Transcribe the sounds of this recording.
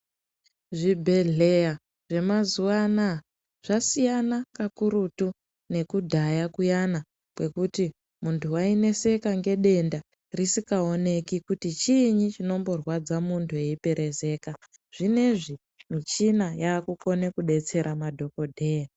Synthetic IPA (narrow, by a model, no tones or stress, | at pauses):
ʐibʱe̞ɮe̞ja | ʐe̞mazuwana | ʐ̥asijanakakuɾutu | ne̞kudʱajakujana | kwe̞kuti | muntʰuaine̞se̞kaŋɡe̞ɗe̞nda | risikaone̞kikutit͡ʃiɲit͡ʃino̞mbo̞rwad͡zamuntʰueipe̞ɾʔe̞ze̞ːka | ʐ̥ine̞ʐi | mit͡ʃinajaːkuko̞nekuɗe̞t͡se̞ɾʔamadʱo̞ko̞dʱe̞ːja